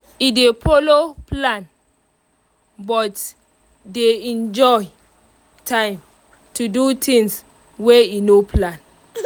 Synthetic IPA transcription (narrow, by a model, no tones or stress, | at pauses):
idepoloplãn | bɔt | deɛ̃nd͡ʒɔj | tʰãɪ̃m | tudutʰĩŋs | weinopʰlãn